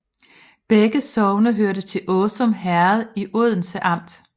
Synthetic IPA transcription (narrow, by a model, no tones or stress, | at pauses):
b̥eɡ̥əsɒʊnɐɦøɐɾət͡sʰe̝lʔɔːsɒ̽mɦæɐðˠiʔoð̰ˠn̩səʔɑ̈m̰d̥